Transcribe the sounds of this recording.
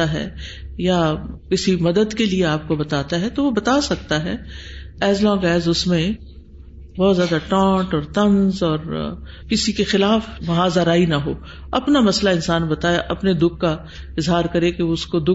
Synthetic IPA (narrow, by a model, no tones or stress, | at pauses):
aɦɛ̰ːjakɪsimɐd̪əd̪kelieaːp̚kobɐt̪aːt̪aɦɛt̪oʋobɐt̪asɐk̚t̪aɦɛɛːzlɔ̃ːɡɛːzʊsmẽ | bɔːt̪zjaːd̪aʈãːʈɔːɾt̪ɐ̃nzɔːɾ | kɪsikexɪlaːfmɐɦaːzaɾaːinaɦo̰ː | ɐpnamɐslaɪ̃nsaːnbɐt̪aːjeʔɐpned̪ʊk̚ʰːa | ɪzɦaːɾkɐɾekeʊskod̪ʊ